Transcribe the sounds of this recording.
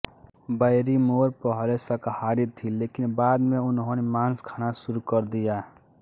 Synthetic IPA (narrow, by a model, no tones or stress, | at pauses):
bəɪɾimoːɾpəɦlesəkhaːɾit̪ʰileːkɪnbaːd̪mẽʊnɦõnemaːnskʰaːnasʊɾukəɾd̪ijaː